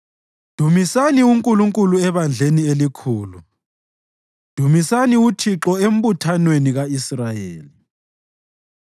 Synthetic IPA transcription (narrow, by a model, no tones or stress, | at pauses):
d̥ʱumisaniuŋkʼuluŋkʼuluɛβand͡ɮʱenielikʰuːlu | d̥ʱumisaniutʰiǁɔem̩butʰanweniɣaisrajeːli